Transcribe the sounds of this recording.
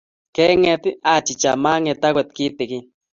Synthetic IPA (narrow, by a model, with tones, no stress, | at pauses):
kɛ˦ŋɛ˧t̪ɪ˦a˨t͡ʃi˨t͡ʃa˨ma˦ŋɛ˨˧t̪a˦kwɛ˨t̪̚ki˦t̪ɪ˨ki˦